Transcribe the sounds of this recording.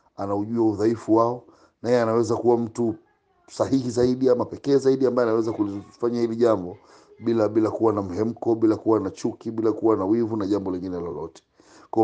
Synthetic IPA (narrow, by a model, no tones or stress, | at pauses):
anauʄuauðaifuwaɔ | najjɛanawɛzakuwam̩tu | saɦihizaiɗiamapɛkɛːzaiɗiambajɔanawɛzakulifaɲahiliʄambɔ | ɓilaɓilakuwanam̩ɦɛm̩kɔɓilakuwanat͡ʃukiɓilakuwanawivunaʄambɔlɛŋɡinɛlɔ̰lɔ̰tɛ̥ | k